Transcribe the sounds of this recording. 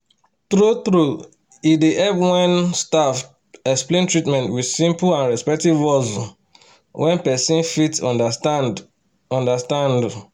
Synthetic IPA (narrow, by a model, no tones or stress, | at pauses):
tɹutɹu | ideʔɛvwɛ̃nstaf | ɛksplẽntɹitmɛ̃ntwidsĩmplãnɹɛspɛk̚tivɔz | wʔɛ̃npɛsĩnfitsɔdd | ɔ̃ndastãnd